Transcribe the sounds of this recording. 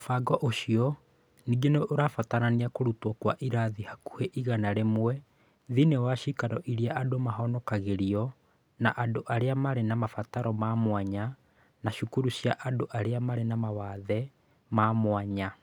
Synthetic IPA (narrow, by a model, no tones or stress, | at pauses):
faɡɔʔoʃiɔ | niːɡeneʔoɾafataɾaniakoɾutwɔkwaʔiɾaðihaku̥heʔiɣanaɾemwɛ | ðinewaʃikaɾɔʔiɾiaʔadomaɦɔnɔkaɣeɾiɔ | naʔadoʔaɾeamaɾenamafataɾɔmamwaɲa | naʃukuɾuɕjaʔadoʔaɾeamaɾenamawaðɛ | mamwaɲa